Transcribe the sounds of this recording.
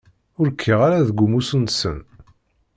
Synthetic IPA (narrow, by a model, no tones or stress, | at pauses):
ʊɾkʰːiʁaɾaðəɡʷːumusənsə̰n